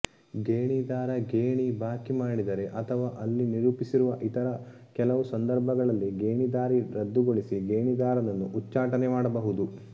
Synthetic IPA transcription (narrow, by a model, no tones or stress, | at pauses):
ɡeːɳid̪aːɾɐɡeːɳibaːkimaːɽid̪ɐɾe̞ʔɐt̪ʰɐʋaːʔɐlːiniɾuːpisiɾuʋɐʔit̪ɐɾɐ | kɛlɐʋusɐnd̪ɐɾbʱɐɡɐɭɐlːiɡeːɳid̪aːɾiɾɐd̪ːuɡoɭisiɡeːɳid̪aːɾɐnɐnːuʔut͡ʃːaːʈɐnɛmaːɽɐbɐɦud̪u